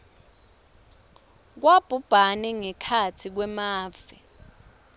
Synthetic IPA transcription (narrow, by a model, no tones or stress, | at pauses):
k̬wab̥ʱub̥ʱanɛŋɛkʰatʰik̬wɛmaːv̥ɛ